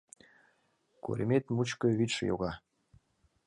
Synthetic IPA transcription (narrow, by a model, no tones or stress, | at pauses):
kṵɾʔḭmet̪mut͡ɕkɤ̆βit̪ʃjo̰ɣɑ